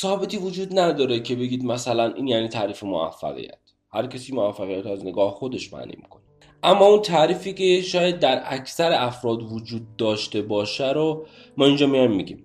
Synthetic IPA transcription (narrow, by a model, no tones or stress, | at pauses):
sɒːhbe̞t̪ʰiːvod͡ʒuːd̪næd̪ɒːɾecʰe̞be̞ɡiːd̪mæsælænʔiːnjæniːt̪ʰæːɾiːfemo̰æ̰fːæ̰ɣḭjæ̰t̪ʰ | hæɾcʰæsiːmovæfːæɣijæt̪æzne̞ɡɒːhxo̞d̪e̞ʃmæ̰nʔḭːmi̥̰kʰo̞ne | ʔæmːɒːunt̪ʰæɾiːfiːce̞ʃɒːjæd̪̚dːæɾæcʰsæɾeæfɾɒːd̪vod͡ʒuːd̪̚ːɒːʃt̪e̞bɒːʃæɾo | mɒːind͡ʒɒːmijɒjmːiɟʲiːm